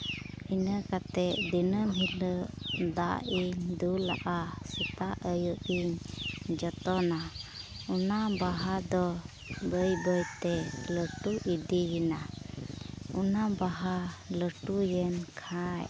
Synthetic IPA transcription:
inəkat̪ɛʔd̪inəmɦiləʔd̪a̰ʔiɲd̪ula̰ʔasət̪aʔəjuʔiɲd͡ʒɔt̪ɔna | unabaɦad̪ɔ | bəjbəjt̪ɛləʈuʔid̪ijina | unabaɦaləʈujɛnkʰaj

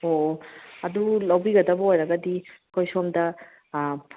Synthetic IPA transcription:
oɐd̪ulawbiɡɐdabɔɦojɾaɡadikojsɔmda

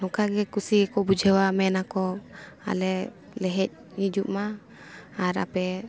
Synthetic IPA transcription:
hɔkaɡɛkusiɡɛkɔbud͡ʒʱɛwamɛnakɔ | a̰lɛ | lɛɦɛc̚ | nid͡ʒuʔmaː | ɾa̰pɛ

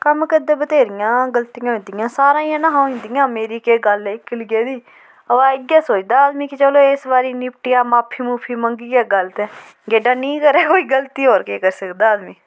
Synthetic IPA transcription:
kəmkəd̪eːbət̪eːɾɪjãːɡəlt̪ijãːɦʊ̃ːnd̪ɪjãːsaːɾãːjãːnãːɦaːĩnd̪ɪjãːmeːɾiːkeːɡəlɪkːɪlɡeːd̪iː | əʋaːɪɡaːsoːt͡ʃd̪aːd̪miːkɪt͡ʃəloːeːsbaːɾiːnɪpʈɪjaːmaːpʰːiːmuːpʰiːməŋɡiːɛːɡəlt̪ɛː | ɡeːɖaːnĩːkəɾɛːkoːiːɡəlt̪iːɦoːɾkeːkəɾsəkd̪aːd̪mĩː

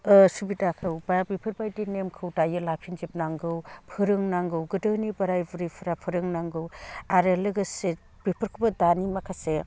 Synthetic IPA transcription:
ɯsubitakʰɯwbabipʰɯɾbajdinemkʰɯwdajɯlapʰinzip̚naŋɡɯwpʰɯɾɯŋnaŋɡɯwɡɯdɯnibɐɾajbuɾipʰɯɾapʰɯɾɯŋnaŋɡɯwaɾɯlɯɡɯse | b̥ipʰɯɾkʰɯbɐdanimakʰase

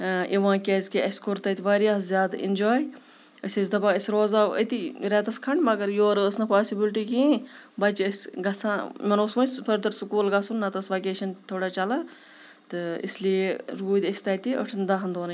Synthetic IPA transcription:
ʔiʋãːkʲezʲkiɐskoɾt̪ɐt̪iʋaːɾiaːszʲjaːd̪ḭnd͡ʒaːj | əsʲezʲd̪ɐbaəsʲɾoːzaʋə̰t̪iɾɛːt̪ɐskʰɐɳɖmɐɡɐɾjoːɾəsnɐpaːsibilʈikĩː | bɐt͡ʃəsʲɡɐsãːmɐnoːsʋɐ̃sʲpʰɐɾd̪ɐɾsukuːlɡɐsunːɐt̪ɐsʋɐkeːʃɐnt̪ʰoːɽat͡ʃɐlaː | t̪ɨḭslieɾuːd̪ʲəsʲt̪ɐːt̪iʔə̰ʈʰɐnd̪aɦɐnd̪oːnɐ

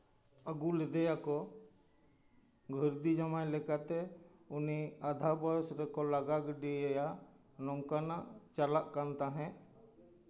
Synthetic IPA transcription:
əɡulɛd̪ɛjakɔ | ɡʱəɾd̪id͡ʒamajlɛkat̪ɛ | uniad̪ʱabɔjɔsɾɛkɔlaɡaɡɖijɛjaʔ | nɔŋkanaʔt͡ʃalaʔkant̪aɦɛ̃ʔ

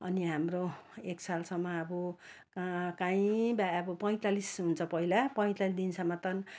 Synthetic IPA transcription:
ʌ̰niɦamroeksalsʌmːʌːbu | kkãĩbaʌbʌpʌj̃t̪alisɦunt͡sʰʌpʌilapʌj̃t̪alisd̪insʌmːʌt̪ʌn

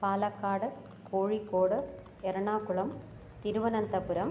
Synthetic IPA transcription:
paːlɐkːaːɽɯ | koːɻikːoːɽɯ | ɛɾɐɳaːkʊɭɐm | t̪ɪɾɯʋɐnɐnt̪ɐbɯɾɐm

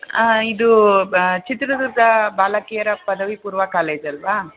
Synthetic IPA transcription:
id̪u | t͡ʃit̪ɾɐd̪uɾd̪ʱɐbaːlɐkijɐɾɐpɐd̪ɐʋipuːɾʋɐkaːleːd͡ʒɐlʋa

